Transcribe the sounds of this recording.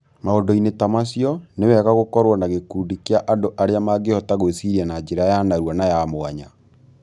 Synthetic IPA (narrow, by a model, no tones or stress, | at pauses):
maɔndɔinetamasjɔnewɛɣaɣokɔɾwɔnaɣekuːndikeaʔandoʔaɾeamaɡehɔtaɣosiɾɛnad͡ʒeɾajanaɾwɔnajamoaɲa